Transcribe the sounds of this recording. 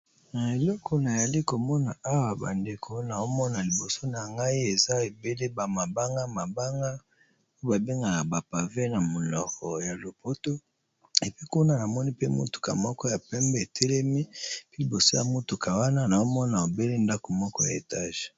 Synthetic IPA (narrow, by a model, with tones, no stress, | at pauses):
na˨e˨lɔ˦kʰɔ˦na˨ja˨li˦ko˨mɔ˦na˨ʔa˦wa˨ba̰˨nde˨kʰo˦na˨o˦mɔ˦na˨li˨bo˨so˦na˨ŋɡa˦i˦e˨za˦e˨be˦le˦ba˨ma˨ba˦ŋɡa˦ma˨ba˦ŋɡa˦ | o˦ba˨be˦ŋɡa˨na˨ba˨pa˨ve˦na˨mo˨lɔ˨kɔ˨ja˨lo˨po˦to˦ | e˨pi˦ku˦na˦na˨mɔ˦ni˦pe˦mo̰˦tu̥˨ka̰˨mɔ˦kɔ˦ja˨pɛ˦mbɛ˦e˨tʰɛ˦lɛ˦mi˦pe˦li˨bo˨so˦ja˨mo˦tu˨ka˨wa˦na˦na˨o˦mɔ˦na˨o˨be˦le˦nda˦ko˨mɔ˦kɔ˦ja̰˨ḛ˨ta˦ʒe̥˨